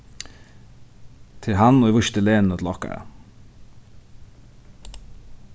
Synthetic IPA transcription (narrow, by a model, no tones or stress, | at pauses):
t̪ʰɪlɦɑnoːiʋœʃt̪əleːnn̩ot̪ʰlɑka̰